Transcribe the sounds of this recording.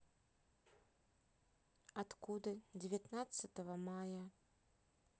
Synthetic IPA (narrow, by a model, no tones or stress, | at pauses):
at̪kud̪ɨd͡zʲɛvʲat̪nat̪sɐt̪ɐvɐmajɐ